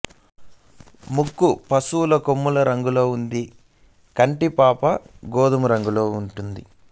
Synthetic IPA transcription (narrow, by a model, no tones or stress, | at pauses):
mukːupɐsuːlɐkomːulɐɾɐŋɡulo̞ːund̪i | kɐɳʈipaːpɐɡoːd̪ɐmuɾɐŋɡulo̞ːuɳʈund̪i